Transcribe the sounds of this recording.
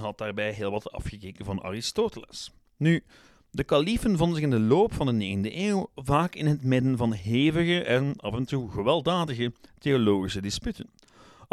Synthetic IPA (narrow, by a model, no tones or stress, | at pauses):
ɦɑt̚d̥aːrbɛjɦeːlˠʋɑtɑ̰fxəkeːkənvɑnɑ̰rɪstoːtələ̰s | ny | dəkɑlifənvɔndənzɪxɪndəloːpfɑndəneːɣəndəʔeːwvaːkɪnɦətmɪdənvɑnɦeːvəɣəʔɛnɑvɛntuɣəʋɛlˠdaːdəɣəteoloːɣisədɪspytən